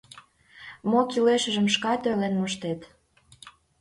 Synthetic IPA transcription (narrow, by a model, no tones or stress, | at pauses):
mokileʃə̆ʒə̆mʃkɑt̪ølenmoʃt̪et̪